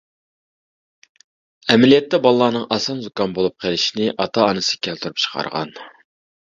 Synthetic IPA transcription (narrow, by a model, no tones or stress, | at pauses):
ɛmɪlijɛt̪ːɛbɑlˠːɑːnɨŋʔɑsɑnzukɑnbolˠup̚qʰelˠɪʃinɪʔɑt̪ʰɑɑnɨsɨ̥kʲʰælt̪ʰuɾupt͡ʃʰə̥qʰɑ̰ɾʁɑ̰n